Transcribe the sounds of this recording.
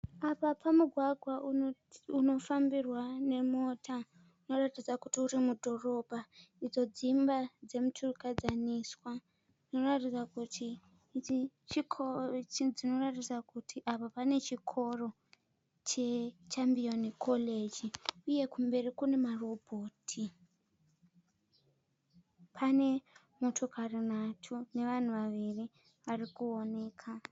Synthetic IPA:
apapamuɡʱwaɡʱwa | uno̞fambirwane̞mo̞tʰa | uno̞ratid͡zakutiuɾimudʱo̞ro̞bʱaid͡zo̞d͡zimbad͡ze̞mutʰurkad͡zaniswa | d͡zino̞ratid͡zakuti | t͡ʃikʰot͡ʃd͡zino̞ratisakutʰiʔapapane̞t͡ʃikʰo̞ro̞ | t͡ʃe̞t͡ʃambionikʰo̞le̞d͡ʒiuje̞kumbe̞rikune̞maro̞bʱo̞ːtʰi | pʰane̞ | mo̞tʰo̞karinatʰune̞ʋan̤uʋaʋiri | ʋarikuo̞ne̞ːkʰa

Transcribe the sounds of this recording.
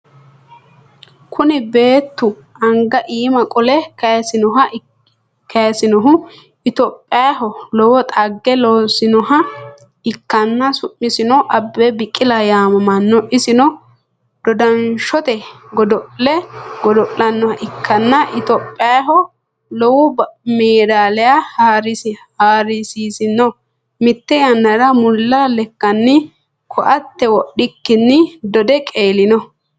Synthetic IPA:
kʰʊnɪbe̞ːt̪ːʊ | ɐŋɡɐʔiːmɐkʼɔlɛkɐsɪnɔɦɐ | kɐjɐsɪnɔɦʊ | ɪt̪ɔpʼːɪaɦɔlɔwɔt̪ʼɐɡːɛloːsɪnɔhɐ | ɪkːɐnːɐsʊʔːɪsɪnɔʔɐbːɛbɪkʼːɪlɐjaːmɐmɐnːɔʔɪsɪnɔ | d̪̥ɔd̪ɐnʃɔt̪ɛ | ɡɔd̪ɔʔlɛɡɔd̪ɔʔʼlɐnːɔʔɪkʰːɐnːɐʔɪt̪opʼːɪjaɦɔ | lɔwʊmeːd̪aːlɛjahaɾɪshaːɾɪsiːsɪnːɔ | mɪt̪ːɛjɐnːɐɾɐmʊlːalɛkːɐnːɪ | kʰɔʔɐt̪ːɛwɔɗɪkːɪnːɪd̪ɔd̪ɛkʼe̞ːlɪnɔ

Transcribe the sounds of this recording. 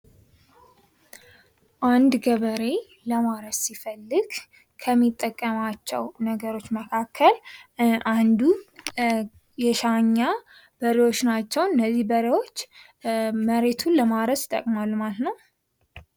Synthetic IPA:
ʔand̪ɡəβəɾe̞ | ləmaɾəssifəlːɨɡ | kʰəmːit̪ʼːəkʼːəmat͡ʃːɛ̰wnəɡəɾo̞t͡ʃːməkʰakʰːəlʔand̪u | jɛʃaɲːa | b̥əɾewo̞t͡ʃːnat͡ʃːɛwɨnːəzːihbəɾewo̞t͡ʃː | məɾe̞t̪ʰuləmaɾəst̪ʼːə̰kʼmalːmalət̪nəw

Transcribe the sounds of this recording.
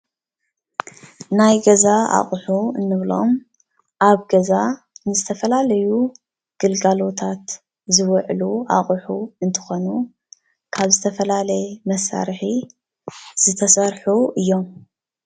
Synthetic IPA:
najɡɐzaa̰χʼħuɨnːɨβlo̞̰m | ʔaβɡɐza | nɨzɨt̪ʰɐfɐlalɐju | ɡ̥ɨlɡalo̞t̪ʰat̪ | zɨwʕlua̰χʼħuɨnt̪ʰɨ̥xo̞nu | kʰaβzɨt̪ʰɐfɐlalɐjmɐsa̰ɾħi | z̥ɨt̪ʰɐsɐɾħuʔɨjːo̞m

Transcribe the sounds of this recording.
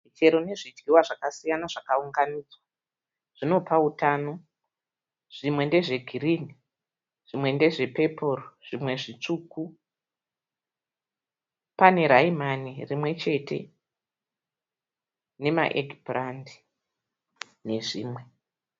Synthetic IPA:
mit͡ʃe̞ɾo̞ne̞ʐid͡ʒɡiwaʐakasijanaʐakauŋɡanid͡zwa | ʐ̥ino̞pautano̞ | ʐ̥imwe̞nde̞ʐe̞ɡʱirini | ʐ̥imwe̞nde̞ʐe̞pe̞po̞roʐ̥imwe̞ʐit͡ʂuku | pane̞ɾaimanirimwe̞t͡ʃe̞tʰe̞̰ | ne̞ma̰ʔeɡʱibrandi̥ | ne̞ʐḭːmwe̞

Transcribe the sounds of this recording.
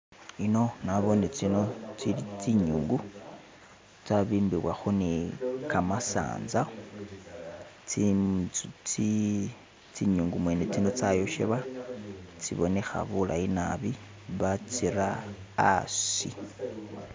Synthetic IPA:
ino̞naβonet͡sino̞t͡siɾit͡siɲuːŋɡu | t͡saβiːmbiβwaxonekamasa̰ːnza | i | t͡si | t͡siɲuːŋɡumwenet͡sino̞t͡sajoʃḛβa | t͡siβo̞̰ne̞xa̰βulʔa̰inaβi | βat͡siɾa̰ː | sḭ

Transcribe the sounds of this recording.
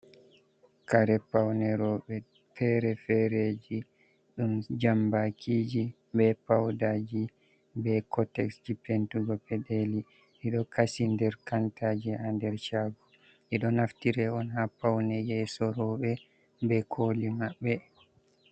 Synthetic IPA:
kaɾɛpawnɛɾɔɓɛ | fɛɾɛfɛɾed͡ʒi | ɗumd͡ʒambakʰiːd͡ʒi | bɛpawdad͡ʒi | bɛkʰɔtɛksd͡ʒipentuɡɔpɛɗeli | ʔɛɗɔkʰasindɛɾkantaːd͡ʒihandɛɾt͡ʃaːɡɔ | ʔɛɗɔnaftiɾɛɔnhapːawnɛjɛsɔɾɔɓɛ | bɛkʰoːlimaɓːɛ

